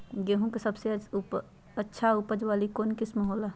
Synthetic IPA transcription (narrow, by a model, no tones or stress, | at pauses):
ɡeːɦũkesɐbse | ətːʃʰaʊpəd͡ʒʋaːlikoːnkɪsmɐɦoːla